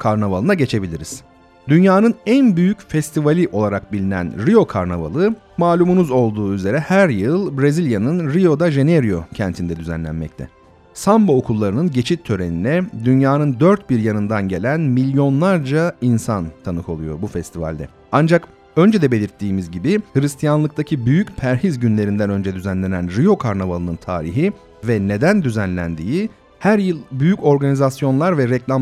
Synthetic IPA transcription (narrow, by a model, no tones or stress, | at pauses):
kʰaɾnavalˠɯnaɟe̞t͡ʃʰe̞bilʲiɾiz̥ | d̪ynjaːnɯnænbyjycfɛst̪ʰivalʲiʔo̞lˠaɾak̚bilʲinæ̰nɾijo̞kʰaɾnava̰lˠɯ | maːlʲumunuzo̞lˠd̪uːyze̞ɾɛhæɾjɯlˠbɾezilʲjanɯnɾijo̞d̪aʒe̞neɾijo̞cʰænt̪ʰind̪ɛd̪yzæ̰nlʲæ̰nmɛct̪ʰɛ̰ | sambookʰulˠːaɾɯnɯnɟe̞t͡ʃʰit̪ʰːø̞ɾeninɛd̪ynjaːnɯnd̪øɾt̪̚biɾjanɯnd̪anɟe̞lʲænmilʲjo̞nlˠaɾd͡ʒainsant̪ʰanɯkʰo̞lˠujo̞̰ɾbufɛst̪ʰiva̰lʲd̪ɛ̰ | and͡ʒak | ø̞nd͡ʒɛd̪ɛbe̞lʲiɾt̪ːiːmizɟibihɯɾist̪ʰijanlˠɯkt̪acʰibyjycpʰæɾɦizɟynlʲe̞ɾind̪ænø̞nd͡ʒɛd̪yzænlʲe̞nænɾijo̞kʰaɾnavalˠɯnɯnt̪ʰa̰ːɾiɦi | vɛne̞d̪ænd̪yzænlʲæ̰nd̪iːi | hæɾjɯlˠbyjyco̞ɾɡanizasjo̞nlˠaɾvɛɾɛclʲam